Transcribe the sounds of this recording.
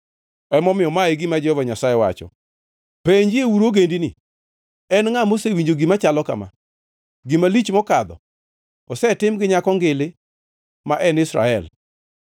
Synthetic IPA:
ɛmɔmɪjɔmaeɡɪmad͡ʒɛhɔvaɲasajɛwa̰t͡ʃɔ̰ | peɲd͡ʒiewuɾoɡendinɪ | ɛnŋamosewiɲd͡ʒoɡimat͡ʃalɔka̰ma̰ | ɡɪmalit͡ʃmɔkad̪ɔ̰ | ɔsɛtɪmɡɪɲakɔŋɡɪlɪ | maʔɛnɪsɾa̰ɛl

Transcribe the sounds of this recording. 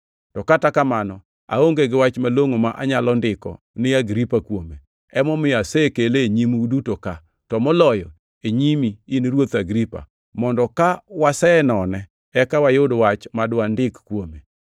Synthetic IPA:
tɔkatakamanɔ | a̰oŋɡeɡɪwat͡ʃmaloŋomaʔaɲalɔndɪkɔ̰ | nɪaɡɾipakwome | ɛmɔmɪasekeleɲimudutoka | tɔmɔlɔjɔ | eɲimiinɾwot̪aɡɾipa̰ | mɔndɔkawasɛɛnɔnɛ | ɛkawajʊdwat͡ʃmadwandɪkkwome

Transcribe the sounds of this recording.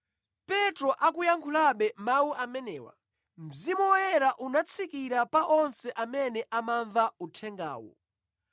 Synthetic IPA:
pɛtɾɔʔakujaŋkʰulaɓɛmawuʔamɛnɛːwa̰ | m̩zimuɛɾaʔunat͡sʰikiɾapaʔɔnsɛʔamɛnɛʔamaɱvautʰɛŋɡa̰ːwɔ̰

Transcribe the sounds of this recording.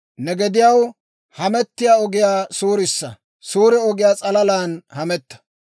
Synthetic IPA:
nɛɡɛd̪ɪjɐw | hɐmɛt̪ːɪjaːɔɡɪjaːsuːɾɪsːɐ | suːɾɪɔɡɪjaːt͡sʼɐlɐlaːnhɐmɛt̪ːɐ̥

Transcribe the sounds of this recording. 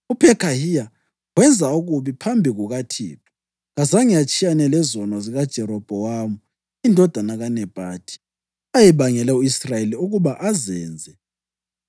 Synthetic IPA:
upʰɛkʰʼahija | wɛnd͡zʱauɣuβipʰambʱiɣuɣatʰḭːpʰḁ | ɣazaŋijat͡ʃʼijanɛlɛzɔnɔziɣad̥ʒ̥ʱɛɾɔb̥ʱɔwamu | indʱɔd̥ʱanaɣanɛb̥ʱaːtʰʼi̥ | ajɛβaŋɛlɛuisrajeliuɣuβaʔazɛːnd͡zʱɛ

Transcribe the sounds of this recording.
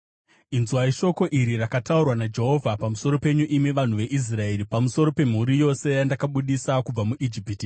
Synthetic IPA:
inzuwaiʃo̞ko̞ʔiɾirakataurwanad͡ʒe̞ɦo̞vʱapamuso̞ɾo̞pe̞ɲuʔimiʋan̤uʋe̞ʔis̬rae̞ɾipamuso̞ɾo̞pe̞m̤uɾijo̞se̞jandakaɓuɗisakub͡vamuʔid͡ʒipiti

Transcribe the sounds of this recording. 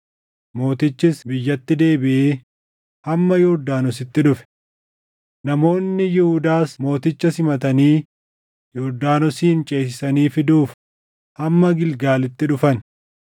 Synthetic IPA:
mo̞ːt̪ɪt͡ʃːɪsbɪjːɐt̪ːɪd̪e̞ːbɪʔeː | hɐmːɐjʊɾd̪aːnɔs̬ɪt̪ːɪᶑʊfɛ̥ | nɐmo̞ːnːɪjɪhʊd̪aːsmo̞ːt̪ɪt͡ʃːɐsɪmɐt̪ɐniː | jɔɾd̪aːnɔsiːnt͡ʃʼe̞ːs̬ɪsɐniːfɪd̪uːf | hɐmːɐɡɪlɡaːlɪt̪ːɪᶑʊfɐn

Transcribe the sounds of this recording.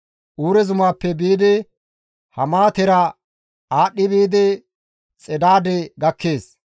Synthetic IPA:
ʔuːɾɛzʊmaːpːɛbiːd̪ɛ | hɐmaːt̪ɛɾɐ | aːɗːɪbiːd̪ɛ | t͡sʼɛd̪aːd̪ɛɡɐkːeːs

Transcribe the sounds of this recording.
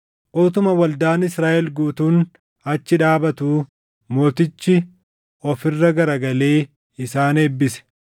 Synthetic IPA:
ʔoːt̪ʊmɐwɐld̪aːnɪsɾaːʔɛlɡuːt̪uːn | ɐt͡ʃːɪᶑaːbɐt̪uː | mo̞ːt̪ɪt͡ʃːɪ | ʔɔfɪrːɐɡɐɾɐɡɐle̞ː | ɪsaːneːbːɪsɛ̥

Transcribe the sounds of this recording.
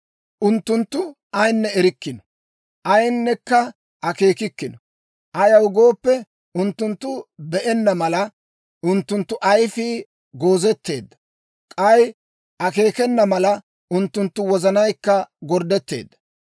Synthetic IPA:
ʔʊnt̪ːʊnt̪ːʊ | ɐjnːɛɛɾɪkːɪnɔ̥ | ʔɐjnːɛkːɐ | ʔɐke̞ːkɪkːɪnɔ | ʔɐjɐwʊɡo̞ːpːɛ | ʊnt̪ːʊnt̪ːʊbɛʔɛnːɐmɐlɐ | ʊnt̪ːʊnt̪ːʊʔɐjfiː | ɡo̞ːzɛt̪ːe̞̰ːd̪ːɐ̥ | kʼɐj | ʔɐke̞ːkɛnːɐmɐlɐ | ʔʊnt̪ːʊnt̪ːʊwɔzɐnɐjkːɐɡɔɾd̪ɛt̪ːe̞̰ːd̪ːɐ

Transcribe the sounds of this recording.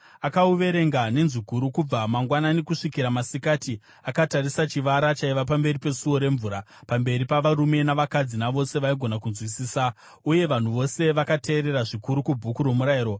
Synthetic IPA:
akauʋe̞ɾe̞ŋɡane̞nzikuɾukub͡vamaŋɡwanane̞kuʂikiɾamasikaːti | akatarisat͡ʃiʋaɾat͡ʃaiʋapambe̞ɾipe̞suo̞ɾe̞ɱvuːɾa | pambe̞ɾipaʋaɾume̞naʋakad͡zinaʋo̞se̞ʋaiɡʱo̞nakunzwisiːsa | uje̞ʋan̤uʋo̞se̞ʋakate̞ːɾe̞ɾaʐikuɾukubʱukuɾomuɾaiːɾo̞

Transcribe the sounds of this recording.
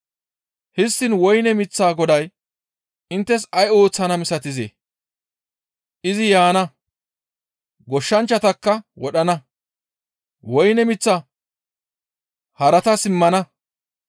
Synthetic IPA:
hɪst̪ːɪnwɔjnɛmɪt͡sːaːɡɔd̪ɐj | ʔɪnt̪ːɛsɐjo̞ːt͡sːɐnɐmɪsɐt̪ɪzḛ | ʔɪzɪjaːnɐ | ɡɔʃːɐnt͡ʃːɐt̪ɐkːɐwɔɗɐnɐ | wɔjnɛmɪt͡sːɐ | hɐɾɐt̪ɐsɪmːɐnɐ

